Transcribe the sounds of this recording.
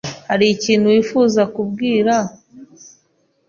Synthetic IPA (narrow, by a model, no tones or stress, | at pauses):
haɾiciːnhujifuːzakubɡiːɾa